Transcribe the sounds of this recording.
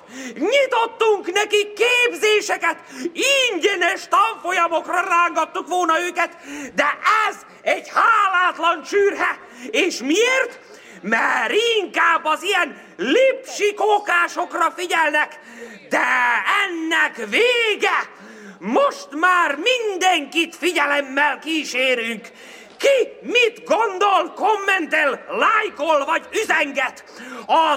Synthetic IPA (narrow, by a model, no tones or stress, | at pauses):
ɲit̪o̞t̪ːuŋknɛkikːeːbzeːʃɛkɛt̪iɲɟɛnɛʃt̪ɒɱfo̞jɒmo̞krɒraːŋɡɒt̪ːukʋo̞lnɒøːkɛt̪d̪ɛʔɛz | ɛɟhaːlaːt̪lɒnʃyːrɦɛ | eːʃmieːrt̪ | mɛɾiŋkaːbːɒzijɛn | lipʃikokaːʃo̞krɒfiɟɛlnɛk | d̪ɛɛnːɛkʋeːɡɛ | moʃt̪maːrmind̪ɛŋkit̪fiɟɛlɛmːɛlkiːʃeːɾyŋkː | imit̪ɡond̪o̞lkomːɛnt̪ellajkolvɒɟyzɛŋɡɛt̪ | ɒ